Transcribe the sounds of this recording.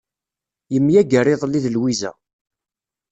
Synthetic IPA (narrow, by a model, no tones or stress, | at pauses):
jəmːjæɡərɪðˤlːiðəlwizæ̰